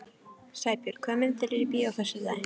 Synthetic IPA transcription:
saːjpjʏɾ̥kʰœːmɪnt̪ʰɪlɪɾɪpiawθɛsːɪða̰ː

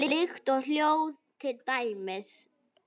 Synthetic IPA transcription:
ɪlɪxt̪ɔɣl̥jowðt̪ʰɪlt̪ajmɪs

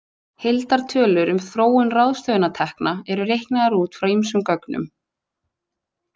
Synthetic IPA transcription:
hejlt̪aɾ̥t̪ʰœːlʏɾʏmθɾoːwʏnrawðst̪œːðʏnat̪ʰɛhknaɛɾʏɾejhknaðaɾuːt̪fɾawimsʏmkœknʏ̰m

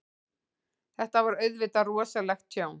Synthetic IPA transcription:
θɛht̪avaɾœɥðvɪːt̪arɔɔsalɛxt̪ːʰjoːwn

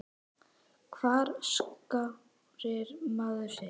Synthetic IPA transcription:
kʰvaːɾska | ɾɪɾmaðʏsɛ

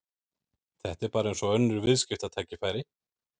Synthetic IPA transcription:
θɛht̪ɛɾpaːɾaɛnsɔœnːʏɾvɪðscɪft̪at̪ʰaːjcɪfaːjɾɪ

